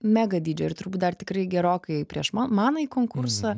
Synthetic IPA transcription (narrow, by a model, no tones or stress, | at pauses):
mʲæːɡɐd̪ʲiːd͡ʒʲɛɪɾt̪ʊɾbuːt̪̚d̪ɐrt̪ʲɪkɾɐɪɡʲɛɾoːkɐɪpʲɾʲiɛʃmɑmɑːnɐiːkoːŋkʊɾsɐ